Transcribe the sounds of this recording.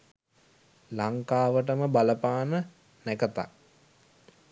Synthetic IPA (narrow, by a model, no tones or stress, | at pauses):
laŋkaːʋəʈ̬əməbaləpaːnə | nækət̪a̰k